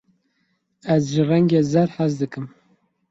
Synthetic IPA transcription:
ɛzʒɨrɛŋɡeːzɛɾħazd̪ɨkɨm

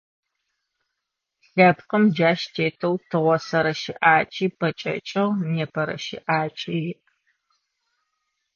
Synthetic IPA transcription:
ɬɐpqəmd͡ʒaːʃtʰeːtʰɐwtʰɨʁʷɔsɐɾɐʃɪʔaːt͡ʃʼiːpʰɐt͡ʃʼɐ̰t͡ʃʼɪʁneːpʰɐɾɐ̰ʃɪ̰ʔaːt͡ʃʼijɪʔ

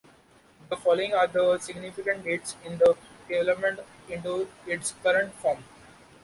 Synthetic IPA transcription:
d̪əfɔːloɪ̃ŋaːɾd̪əsɪɡnɪfɪkə̃ɳʈɡeːʈsɪ̃nd̪əɖɪʋɛləpmə̃ɳʈ | ɪ̃ɳʈuɪʈskʌɾə̃ɳʈfɔːɾm

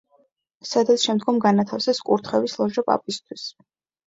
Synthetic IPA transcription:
sad̪alˠsʃɛmd̪ɡɔmɡanat̪ʰafsɛskʼṵɾt̪ʰχɛvislˠɔʒɔpʼa̰pʼist̪ʰwis

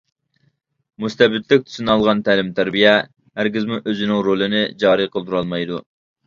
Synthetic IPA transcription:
must̪ɛbɪt̪lɪk̚ʲt̪ʰy̥sunɑlˠʁɑnt̪ʰæːlɪmt̪ʰæɾbijɛ | hæɾɡʲizmuʔøzɪnɪŋɾolˠɪnɪd͡ʒɑːɾiqʰəlˠt̪ʰuɾɑlˠmɑjd̪ṵ

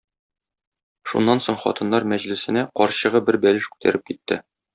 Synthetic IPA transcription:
ʃṵnːɑnsoɴχɒ̰t̪ɤ̆nːɑɾmæʑlɘ̆sɘ̆næqɒɾɕɤ̆ʁɤbɘɾbælɘʃkʉ̥t̪æ̰ɾɘp̚kit̪ːɘ

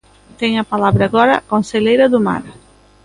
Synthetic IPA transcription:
t̪ɛŋɐpalaβɾaɣɔɾɐ̰konseʎejɾɐðʊma̰ɾ

